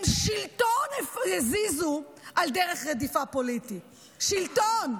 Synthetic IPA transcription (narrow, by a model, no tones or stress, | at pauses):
mʃiltonefʁezizu | ʔald̪eʁeχʁedifapoliti | ʃilton